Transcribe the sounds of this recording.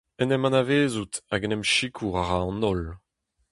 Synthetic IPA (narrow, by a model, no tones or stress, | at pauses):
ɛnɛmɑ̃naveːzut̪aɡɛnɛmʃikʰuʁaʁaɑ̃nɔl